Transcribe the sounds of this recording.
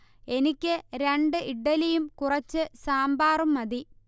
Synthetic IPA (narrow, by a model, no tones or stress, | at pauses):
e̞nikʲːɨɾeɳɖɨʔiɖːɐlijumkurɐt͡ɕːɨsaːmbaːrumːɐði